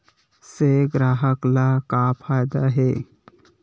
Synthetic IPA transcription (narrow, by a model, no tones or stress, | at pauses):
seɡɾaːɦəklakapʰaːjd̪aɦeː